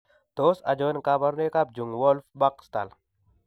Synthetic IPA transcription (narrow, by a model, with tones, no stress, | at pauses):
t̪osa̰˨d͡ʒɔnkaba˦ɾne˦ka˦b̚d͡ʒu˨ŋwɔ˦lfba˦kst̪a̰˨l